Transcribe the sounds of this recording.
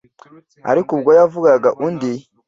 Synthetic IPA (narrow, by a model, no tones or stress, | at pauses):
a̰ɾikubɡʷojavuɡaɡaʔunde